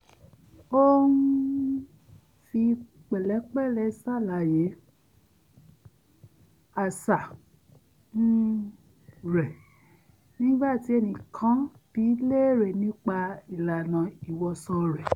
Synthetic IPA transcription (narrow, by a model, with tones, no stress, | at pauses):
o˦n̩˦ | fi˧ | k͡pɛ˨lɛ˨˦k͡pɛ˦˨lɛ˧˦sa˦˨la˨je˨˦ | a˨sa˨ | n̩˦ | ɾɛ˨ | nĩ˦ba˦˨ti˨˧˦ɛ˧nĩ˨kʰã˨˦ | b̥i˨˦le˦˨ɾɛ˨nĩ˦k͡pa˧i˨la˨nã˨i˨wɔ˧sɔ˧ɾɛ˨